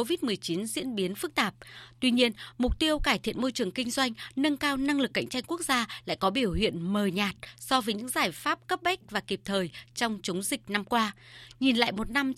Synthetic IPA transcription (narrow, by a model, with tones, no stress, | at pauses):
o˧vi˦˥t̚mɨ˨˩əjt͡ɕi˨˦nzḭ˧˥ənɓi˨˦ənfɨ˦˥k̚t̪aː˨˩p̚t̪wi˧ɲi˧ənmʊ˨˩k͡p̚t̪i˧əwkaː˧˩jt̪ʰḭ˧˨ənmo˧jt͡ɕɨ˨˩əŋkï˧ŋ̟zwa˧jŋ̟nə˧nkaː˧wna˧ŋlɨ˨˩k̚ːa̰˧˨jŋ̟t͡ɕa˧jŋku˦˥ək̚zaː˧la̰ː˧˨jkɔ˨˦ɓi˧˩əwhḭ˧˨ənməː˨˩ɲaː˨˩t̚sɔ˧vəː˨˦jɲɨ̰˧˥ŋzaː˧˩jfaː˦˥p̚kə˦˥p̚ɓa˦˥k̟̚vaː˨˩ki˨˩p̚t̪ʰəː˨˩jt͡ɕɔ˧wŋ͡mt͡ɕə˨˦wŋ͡mzï˨˩k̟̚na˧mkwaː˧ɲi˨˩nla̰ː˧˨jmo˨˩t̚na˧m